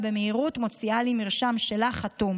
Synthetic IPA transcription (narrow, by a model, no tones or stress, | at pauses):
be̞meiʁutmo̞t͡sialimiʁʃamʃe̞laχatum